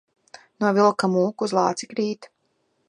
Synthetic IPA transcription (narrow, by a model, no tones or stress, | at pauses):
nuɔvilˠkamuːkuːzlˠɑːt̪sikɾiːt̪